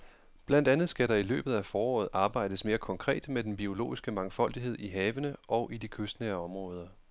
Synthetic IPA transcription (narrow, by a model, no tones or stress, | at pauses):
b̥læn̰d̥ænð̩ˠsɡ̥æɾɑ̈ilø̰ːb̥ð̞̩ˠæfɒːɒ̰ːð̞̩ˠʔɑ̈ːb̥ɑ̈ɪ̰d̥əsme̝ːɐkʰɒ̽ŋkʰʁɛ̰ːd̥med̥enb̥io̝lo̝̰ːisɡ̥əmɑ̈ŋfɒ̽l̰d̥iɦe̝ð̰ˠiɦɛːʋənəʔɒ̽ʊʔidikʰøsd̥neɐɒ̽mʁɔ̽ːð̞ˠɐ